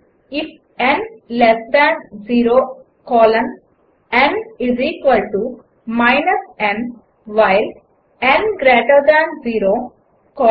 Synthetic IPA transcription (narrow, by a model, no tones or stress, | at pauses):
ɪf | ɛ̃nlɛsd̪æ̃nziːɾoː | kɔːlə̃n | ɛ̃nɪziːkʋəlʈu | maɪnəsɛ̃n | ʋaɪl | ɛ̃nɡɾeːʈəɾd̪æ̃nziːɾoː | kɔː